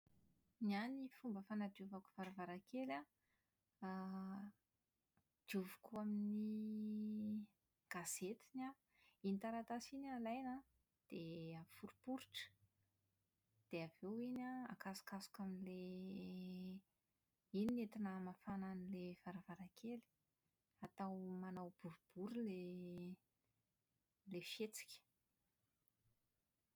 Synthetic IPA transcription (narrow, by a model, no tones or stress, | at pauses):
nianifumbəfanad̪iuvaku̥v̥aɾavaɾakela | d̪̥iuvu̥kuamini | ɡ̥az̥et̪ina | init̪aɾat̪asinalajna | d̪̥eafuɾupuɾʈ͡ʂə̥ | d̪̥eavewinaa̰kasu̥kasu̥kaminle | ininet̪inəmafananilevaɾavaɾakʰeli̥ | at̪awmanawb̥uɾub̥uɾule | lefet͡si̥kʲə̥